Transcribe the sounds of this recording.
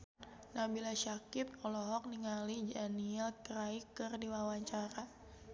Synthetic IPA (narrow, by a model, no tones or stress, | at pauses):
nabilaʃakip̚ɔlɔɦɔk̚niŋalid͡ʒaniɛlkraikɨrdiwawaɲt͡ʃaɾa